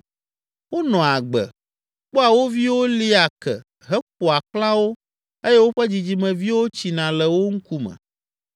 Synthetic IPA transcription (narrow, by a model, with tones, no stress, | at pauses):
wo˦nɔ̃˨a˨ɡ͡bɛ̰˨ | k͡pɔ˦a˨wo˦vi˦wo˦li˦a˨kɛ̰˨ | ɦɛ˦k͡p̚o˨a˨klã˦wo˦ | e˦jɛ˦wo˦ɸɛ˦d͡ʑi˨d͡ʑi˦mɛ̃˨vi˦wo˦t͡ɕi˨nã˨lɛ˨wo˦ŋ̩˦ku˦mɛ̰̃˨